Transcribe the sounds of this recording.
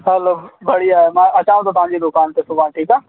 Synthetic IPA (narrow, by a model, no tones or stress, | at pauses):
ɦɛloːbʱɐɽiaːemãːʔɐt͡ɕãːʋ̃t̪ot̪ɐɦãːɲd͡ʑid̪ʊkaːnt̪esʊbʱaːnʈʰiːkaː